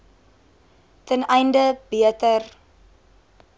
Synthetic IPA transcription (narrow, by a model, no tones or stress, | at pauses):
tənɛjndəbiətər